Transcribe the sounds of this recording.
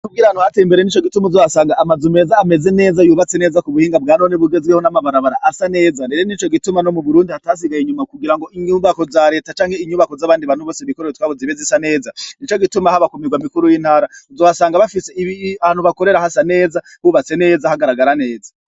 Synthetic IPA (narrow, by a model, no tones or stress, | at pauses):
nuɡiːɾaanuhateimbe̞ɾenit͡ʃo̞ɡitumuzoβasaːŋɡaʔːmazume̞zaːme̞ze̞ne̞ːzajuːβat͡sene̞ːzakuβuhiːŋɡab̚ɡaːno̞ːneβuɡe̞zɡehonamaβaɾaβaɾaʔasane̞ːzaɾeɾenit͡ʃo̞ɡitumano̞muβuɾuːndihataːs̬iɡajiɲumakuɡiɾaŋɡo̞ʔiɲuːβako̞zaɾe̞ːtat͡ʃaːŋhe̞iɲuːβakozaβaːndiβanuβo̞ːseβikoɾewetwaβoziβezisane̞ːzanit͡ʃo̞ɡitumahaβakomiɡwamikuɾujiːn̥haːɾauzojasaːŋɡaβafise̞iiaaːnhuβako̞ɾe̞ɾahasane̞ːza | huβat͡se̞ne̞ːzahaɡaɾaɡaɾane̞ːza